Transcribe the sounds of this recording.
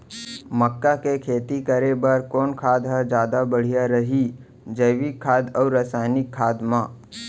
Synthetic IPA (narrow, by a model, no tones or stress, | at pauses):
məkːakekʰeːt̪ikəɾebəɾkɔːnkʰaːd̪ɦəd͡ʒjaːd̪abəɽ̤ijaɾəɦi | d͡ʒəːwikʰːaːd̪ɔːɾəsaːɪnɪkʰːaːd̪mãː